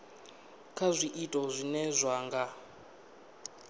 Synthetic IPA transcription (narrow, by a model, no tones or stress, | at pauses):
kʰazʷiʔitʼɔzʷinɛzʷaːŋɡa